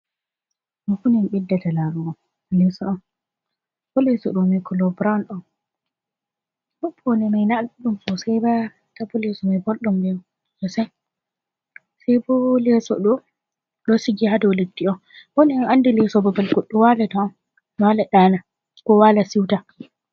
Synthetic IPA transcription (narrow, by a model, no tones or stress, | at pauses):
mɔfunɛmɓɛdːatalaɾuɔn | lɛsɔɗɔn | bɔlɛsɔ̰ɗɔmɛkɔlɔbɾanɔn | ɓɔbʰːɔnɛmajnalɗumsɔsɛjba | tabɔlɛsɔmajbɔlɗɔmbɛn | jɔsɛn | sajbɔlɛsɔ̰ɗɔ | ɗɔsiɡihadɔwledːiɔn | wɔnɛɔnandɛlɛsɔbabalɡɔɗːɔwalatɔɔn | walaɗaːna | kɔwalasiwta